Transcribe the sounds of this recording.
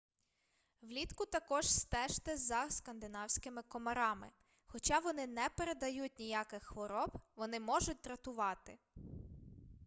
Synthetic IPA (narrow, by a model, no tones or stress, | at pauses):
ʋlʲit̪kʊt̪ɐkɔʒst̪ɛʃt̪ɛzɐskɐnd̪ɪnɑwsʲkɪmɪkɔmɐɾɑmɪ̰ | xɔt͡ʃɑʋɔnɪnɛpeɾed̪ɐjut̚ʲnʲijakɪxxʋɔɾɔbʋɔnɪmɔʒʊt̚ʲt̪ɾɐt̪ʊʋɑt̪ɪ